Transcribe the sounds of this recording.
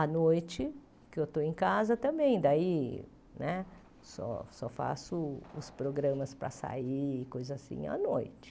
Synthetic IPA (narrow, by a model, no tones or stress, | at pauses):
ɐnojt͡ʃɪ | kɪewt̪oẽj̃kazɐt̪ɐ̃mbẽj̃d̪ai | nɛ | sɔ̰sɔfa̰sʊʊspɾoɡɾɐ̃mɐspɾɐ̰sa̰ikojzɐasḭ̃ɐ̰nojt͡ʃɪ̥